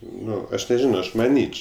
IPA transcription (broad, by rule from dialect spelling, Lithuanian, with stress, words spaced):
ˈnʊ ˈɐʃ nʲɛˈʒʲɪnoː ˈɐʃ mɐˈnʲiːt͡ʃ